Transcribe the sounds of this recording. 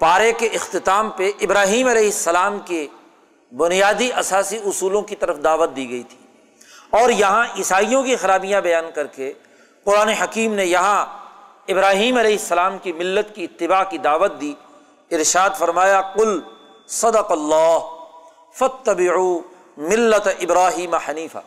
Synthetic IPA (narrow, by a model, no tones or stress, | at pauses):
paːɾekeɪxt̪ɪt̪aːmpeʔɪbɾaːɦiːmɐlɛːɦɪsːɐlaːmke | bʊnijaːd̪iʔɐsaːsiʊsuːlõkit̪ɐɾəfd̪aːʋət̪̚d̪iːɡɐit̪ʰi̥ː | ɔːɾjɐɦãʔɪsaːijõkixɐɾaːbijãbɐjaːnkɐɾke | qʊɾaːneɦɐkiːmnejɐɦã | ɪbɾaːɦiːmɐlɛːɦɪsːɐlaːmkimɪlːət̪kiɪt̪ːɪbaːkid̪aːʋət̪̚d̪iː | ɪɾʃaːd̪fɐɾmaːjaqʊl | sɐd̪ɐqɐlːaːɦ | fɐt̪ːɐbɪʕuː | mɪlːət̪ʔɪbɾaːɦiːmaħɐniːfa̰